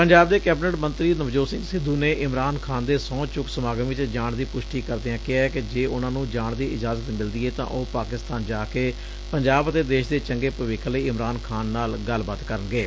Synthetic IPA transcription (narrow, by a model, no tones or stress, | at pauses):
pəɲd͡ʒaːbd̪eːkɛːbnəʈmə̃nt̪ɾiːnəbd͡ʒoːsɪ̃ŋɡsɪd̪ːuːneːʔɪmɾaːnkʰaːnd̪eːsɔ̃ːt͡ʃʊksəmaːɡə̃ːʋɪt͡ʃd͡ʒaːɳd̪iːpʊʃʈiːkəɾd̪eːãːkɪaːɛːkɪd͡ʒeːʊnãːnũːd͡ʒaːɳd̪iːɪd͡ʒaːzət̪mɪld̪iːeːt̪ã̰ːʔoːpaːkɪst̪aːnd͡ʒaːkeː | pəɲd͡ʒaːbət̪eːd̪eːʃd̪eːt͡ʃəŋɡeːpəʋɪkʰːləiːɪmɾaːnkʰaːnːaːlɡəlːbaːt̪kəɾənɡeː